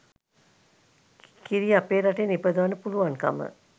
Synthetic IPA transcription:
kiɾiapeːɾaʈenipəd̪uʋanəpuluʋanka̰mə̰

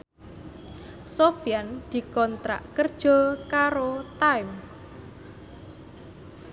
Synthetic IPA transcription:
sofiand̪̥i̤kɔnt̪ɾa̰ʔkərd̥ʒ̥ɔ̤kaɾot̪ajm

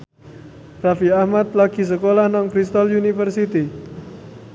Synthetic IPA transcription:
rafiahmat̪̚laɡ̥i̤s̬əkolahnɔŋkɾist̪ɔljunifərsit̪i

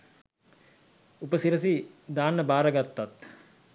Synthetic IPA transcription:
upəsiɾəsid̪aːnːəbaːɾəɡat̪ːat̪

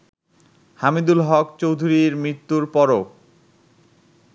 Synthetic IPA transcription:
hamid̪ulɦɔkt͡ɕowd̪ʱuɾiɾmɾit̪ːuɾpɔɾo

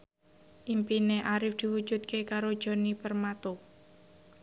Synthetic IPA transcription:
ʔimpineʔaɾɪfd̪̥i̤wud̥ʒ̥ṳt̪̚kekaɾod̥ʒ̥o̤nipərmat̪o

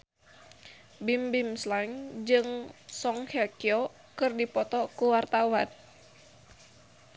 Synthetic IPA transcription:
bimbimslaŋd͡ʒɨŋsɔŋhɛkiɔ | kɨrdipɔt̪ɔkuwart̪awan

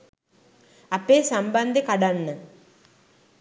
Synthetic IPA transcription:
ɐpːeːsɐmbɐnd̪ʱikɐɽɐɳːɨ

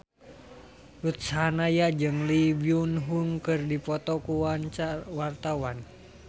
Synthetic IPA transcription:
lut̪̚saɦnajad͡ʒɨŋlibiunɦuŋkɨrdipɔt̪ɔkuwaɲt͡ʃawart̪awan

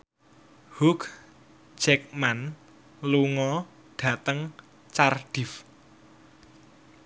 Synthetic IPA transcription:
huk | d͡ʒ̥ɛk̚man | luŋɔ | ɖ̥ä̤t̪əŋ | t͡ʃarɖ̥ɪ̤f

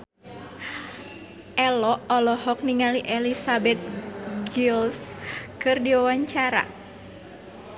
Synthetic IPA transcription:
ʔɛlɔɔlɔɦɔk̚niŋaliʔelisabɛt̪̚ɡilskɨrdiwawaɲt͡ʃaɾa̰

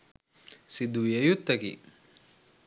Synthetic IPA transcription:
sid̪ujejut̪ːɐkḭ

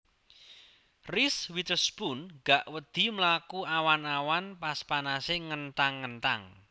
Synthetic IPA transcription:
riswit̪əsbunɡ̥aʔwəd̪̥i̤mlakuawanawanpaspanaseŋənt̪aŋːənt̪a̰ŋ

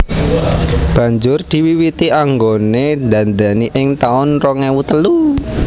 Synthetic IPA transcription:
b̥ä̤ɲd͡ʒʊrd̪̥i̤wiwit̪iaŋɡoned̪a̤nd̪aniʔɪŋt̪aʊnrɔŋewut̪əlu

